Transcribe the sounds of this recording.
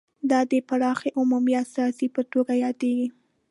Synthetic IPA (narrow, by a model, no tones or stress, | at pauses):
d̪ɑd̪əpaɽɑxeʔʊmumiast̪ɑsipət̪oɡajɑd̪eɡi